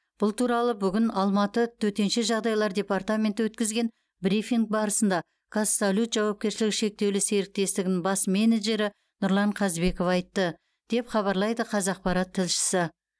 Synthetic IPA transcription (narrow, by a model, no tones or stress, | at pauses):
b̥ʊlˠt̪ʰuɾɑlˠəbʏɡʲɪnɑlˠmɑt̪ət̪ʰɵt̪e̞nʃeʒɑʁd̪ɑjlˠɑɾd̪ʲe̞part̪amʲe̞nt̪əwɵt̪kʲɪzɡʲe̞n | brifʲiŋk̚bɑɾəsənd̪ɑ | kʰasːolʲut̪ʒɑwɑp̚kʲe̞ɾʃɪlɪkʃe̞k̚t̪e̞wlɪse̞ɾɪk̚t̪e̞st̪ɪɡʲɪnɪŋbɑsme̞neʒe̞ɾɪ | nʊɾlˠɑɴqʰɑzbe̞ko̞fɑjt̪ːə | d̪̥e̞pχɑβɑɾlˠɑjd̪əqʰɑzɑq̚pɑɾɑt̪ʰːɪlʃɪ̥sɪ